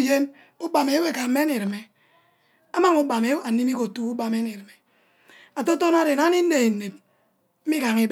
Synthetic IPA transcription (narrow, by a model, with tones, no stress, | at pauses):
je˦n | u˦ba˨me˨˦we˨ka˨m̩˦me˦ni˨ɾɨ˨me˨ | a˦ma˦ŋu˦ba˨me˦wa˨ni˦mi˦ko˨tu˦u˦ba˨me˦ni˨ɾɨ˨me˨ | a˨to˦to˦na˦ɾe˨na˦ni˦n˦ne˨i˨ne˨t̚ | m̩˦i˦ka˨ŋi˦b